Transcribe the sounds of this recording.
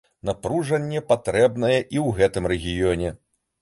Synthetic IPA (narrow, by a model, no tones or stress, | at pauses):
napɾuʐɐnʲːɛpat̪ɾɛbnɐjɛʔiwɣɛt̪ɨmɾɛɣʲijɔnʲɛ